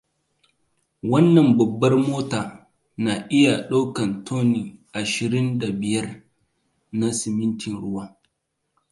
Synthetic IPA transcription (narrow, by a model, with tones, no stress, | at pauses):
wɐ˦nːɐ˨mbɐ˨bːɐ˦rmoː˦taː˨ | na˨ʔɪ˦ja˨ɗa˦kɐ˨ntʰoː˦ni˨ʔa˨ʃɪ˨ɾɪ˦nda˨bɪ˨jɐ˦r | na˦sɪ˨mɪ˦ntɪ˨nɽʊ˦waː˦